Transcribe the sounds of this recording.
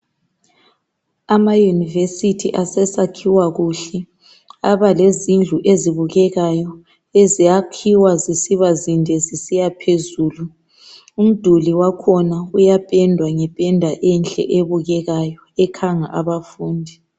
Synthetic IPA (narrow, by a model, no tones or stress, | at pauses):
amajunivesitʰiʔasɛsakʰiwaɣuɬɛ | aβalezind͡ɮʱuʔeziβuɣɛɣajɔ | ezijakʰiwazisiβazindʱɛzisijapʰezuːlu | um̩d̥ʱuliwakʰɔnaujapʼɛndʱwaŋɛpʼɛndʱwaʔɛnt͡ɬʼɛ̰ʔeβuɣɛɣajɔɛkʰaŋaʔaβafuːndʱi